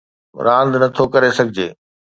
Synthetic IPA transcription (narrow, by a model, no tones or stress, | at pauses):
ɾãːnd̪nɐt̪ʰokɐɾesɐɡʱɪd͡ʑeː